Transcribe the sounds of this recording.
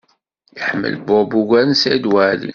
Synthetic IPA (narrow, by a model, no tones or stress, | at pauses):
jəħmːə̰lbobuɡænsæd̪wælḭ